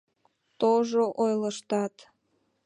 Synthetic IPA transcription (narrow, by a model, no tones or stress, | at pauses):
t̪oʒoʔojləʃt̪ɑt̪